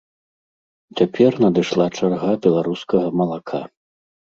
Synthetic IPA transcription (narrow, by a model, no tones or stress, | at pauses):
t͡sʲapʲʰɛrnɐd̪ɨʂlˠat͡ʂarɣabʲɛlˠaɾuskɐɣɐmɐlˠakʰa